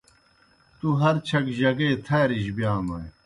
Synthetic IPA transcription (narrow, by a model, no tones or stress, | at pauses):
t̪uɦɐɾt͡ɕʰɐkʑɐɡeːt̪ʰɐːɾiʑbjaːmɐj